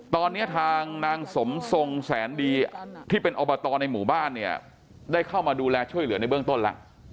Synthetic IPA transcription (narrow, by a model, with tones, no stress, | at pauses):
t̪ɔː˧nːi˦˥ɐt̪ʰaː˧ŋnaː˧ŋso˩˦mso˧ŋsɛː˩˦ndiː˧t̪ʰiː˥˩pe˧nʔoː˧bɔː˧t̪ɔː˧na˧jmuː˩˦baː˥˩nːi˥˩ɐ | daː˥˩jkʰa˥˩wmaː˧duː˧lɛː˧t͡ɕʰu˥˩əjlɯ˩˦əna˧jbɯ˥˩əŋt̪o˥˩nla̰˦˥ʔ